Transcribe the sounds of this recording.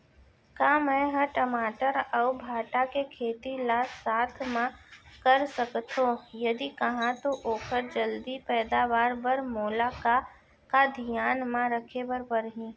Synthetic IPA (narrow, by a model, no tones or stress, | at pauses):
kaːmɛ̃ɦəʈəmaːʈəɾəʊbʱaːʈakekʰeːt̪ilaːsaːt̪ʰmãkɐɾsəkt̪ɦõjɐd̪ikɐɦãt̪oʔoːkʰəɾd͡ʒəld̪ipɛːd̪aːʋaːɾbəɾmoːlaka | kad̪ʱɪjaːnmãɾəkʰebəɾbəɾɦĩː